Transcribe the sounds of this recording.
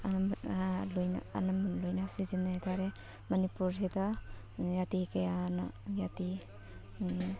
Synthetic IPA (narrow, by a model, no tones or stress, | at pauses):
a | lojna̰a̰namlojnasizinːatʰaɾe | manipuɾsita | jatikejana̰jati